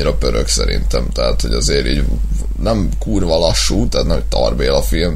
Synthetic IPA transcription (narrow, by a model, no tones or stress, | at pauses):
iɾɒpøɾøksɛ̰ɾḭnt̪ɛmt̪ɛɦa̰ːt̪ho̞ɟɒzeːɾiːɟ | nɛm | kuːrvɒlɒʃːuːt̪ɛaːt̪nɛmɛtt̪ɒ̰rbeːlɒfilm